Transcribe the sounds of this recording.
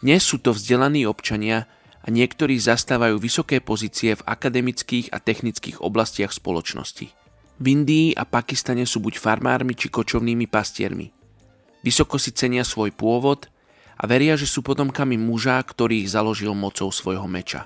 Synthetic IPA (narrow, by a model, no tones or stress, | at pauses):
d̪̥ɲɛsːuːt̪ɔvzɟɛlaniːɔpt͡ʃaɲɪa | ʔaɲɪɛkt̪ɔɾiːzast̪aːʋajuːʋisɔkɛːpɔziːt͡siɛva̰kad̪ɛmit͡skiːɣa̰t̪ɛxnit͡skḭːɣɔ̰blascɪaxspɔlɔt͡ʃnɔ̰scḭ | vind̪iːʔa̰pakist̪aɲɛsuːbucfaɾma̰ːɾmit͡ʃikɔt͡ʃɔʊniːmipascɪɛ̰ɾmḭ | ʋisɔkɔsit͡sɛɲɪasʋɔjpʊɔʋɔd̪ | ʔa̰ʋɛɾɪaʒɛsuːpɔt̪ɔmkamimuʒaːkt̪ɔɾiːɣzalɔʒilmɔt͡sɔʊsʋɔjɦɔmɛt͡ʃa̰